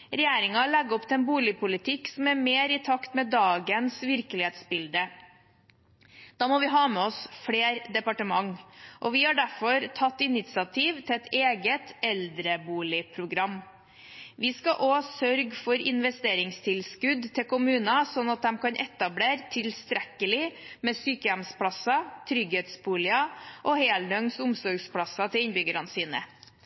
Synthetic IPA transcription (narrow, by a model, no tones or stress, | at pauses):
ɾɛjeːɾɪŋɑlɛɡɔpt̪ʰɛɛnbuːlɪpʊlɪt̪ʰɪksɔmæɾmeːɾɪt̪ʰɑkt̪mɛːd̪ɑːɡənsʋɪɾklɪheːt̪sbɪld̪ə | d̪̥ɑːmɔʋɪɦɑːmɛɔsfɽeːɾd̪ɛpɑʈəmɑŋʔɔʋɪhɑɖæɾfɔɾt̪ʰɑt̪ːɪnɪt̪sɑt̪ʰiːʋt̪ʰɛɛt̪ʰeːɡət̪ɛld̪ɾəbuːlɪpʰɾʊɡɾɑm | ʋɪskɑʔoːsœɾɡfɔɾɪ̰nʋɛst̪eːɾɪŋst̪ʰɪlskʉd̪t̪ʰɪkʊmʉːnɑsɔnːɑt̪̚d̪ɛmkʰɑnʔɛt̪ɑbleːɾt̪ʰɪlst̪ɾɛkːəlɪmɛsyːkəjæmspʰɽɑsɑt̪ʰɾʏɡheːt̪sbuːlɪɑʔɔheːld̪œŋsʊmsɔɾɡspʰɽɑsɑt̪ʰɪlɪnbʏɡəɾɑnsiːnə̰